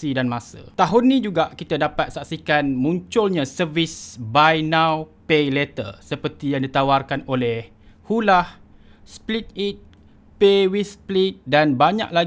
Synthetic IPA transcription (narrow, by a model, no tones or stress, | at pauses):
idanmãsə̰t̪aɦʊnːĩd͡ʒuɡaʔkit̪adapat̪̚saksikanmũɲt͡ʃʊlɲasərvisbajnãwpelet̪ə̰rsəpərt̪ijaŋdit̪awarkanolɛh | hulah | split̪̚it̪̚ | pewisplit̪̚danbaɲa̰ʔla